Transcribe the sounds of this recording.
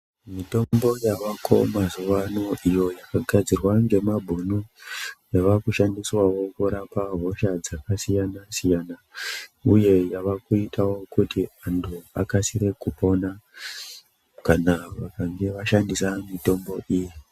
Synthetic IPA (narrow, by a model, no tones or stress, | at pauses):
mito̞mbo̞jaʋakʰo̞̰mazuʋano̞ijo̞jakaɡʱad͡zirwaŋɡe̞mabʱunujaʋakuʃandiswawo̞kuɾapaɦo̞ʃad͡zakasijanasijana | uje̞jaʋakuitʰawo̞kutiantʰuakasiɾe̞kupo̞na | kanaʋa̰kaŋɡe̞ʋaʃandisamito̞mbo̞ʔiːji